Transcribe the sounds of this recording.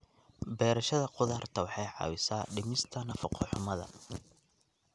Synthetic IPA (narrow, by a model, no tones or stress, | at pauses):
bɛːɾɐʃɐðɐqʊðɐrt̪ʰɐwɑħɑjʕɑ̰ːwɪsaːɖɪmɪst̪ʰɐnɐfɐqʰɔħʊmɐðɐ̰